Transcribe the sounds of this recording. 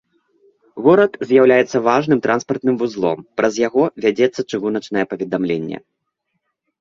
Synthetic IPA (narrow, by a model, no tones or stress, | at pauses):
ɣɔɾɐt̪zʲjawlʲajɛt̪sːɐvaʐnɨmt̪ɾʔanspɐrt̪nɨmvuzlˠɔ̰mpɾʔɐzjaɣɔvʲad͡zʲɛt̪sːɐt͡ʂɨɣunɐt͡ʂnɐjɛpɐvʲɛd̪amlʲenʲːɛ̰